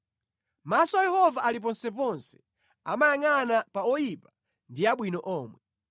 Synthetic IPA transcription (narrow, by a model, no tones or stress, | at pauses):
masɔwajɛhɔvaʔalip̬ɔnsɛpɔnsɛ̥ | a̰majaŋanapaɔjipa | ndiaɓwinɔʔɔːmwɛ